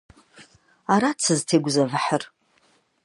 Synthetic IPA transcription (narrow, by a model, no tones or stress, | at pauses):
aɾat͡sʰɨztʰeɡʷzavħər